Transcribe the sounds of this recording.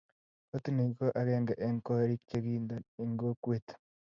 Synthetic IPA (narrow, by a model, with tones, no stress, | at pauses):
o˦ti˦ni˨ko˦ʔa˦ɣeːŋɡa˨ʔeŋko˦ɾi˦kt͡ʃe˦ɣiːnda˨e˨ŋɡo˦kwe˨tḁ˨